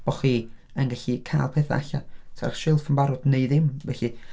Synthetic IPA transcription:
b̥ɔχi | ənɡaɬikʰaːlˠpʰeːθa̰aɬa̰tʰaraχʃɪlˠfəmbaɾɔdneɨðɪmvɛɬi

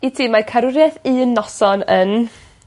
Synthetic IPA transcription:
itʰiːmakʰaɾʊɾjɛθɨənːɔsɔnən

